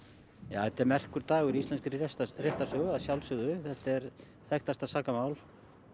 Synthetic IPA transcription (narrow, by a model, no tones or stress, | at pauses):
ja̰ːθɛht̪ɛɾmɛr̥kʏɾt̪aːɣʏɾiist̪lɛnskɪɾɪɛst̪reht̪ḁsœɣʏasjawlsʏɣðʏθɛht̪ɛɾ | θɛxt̪ast̪asaːkamaːwl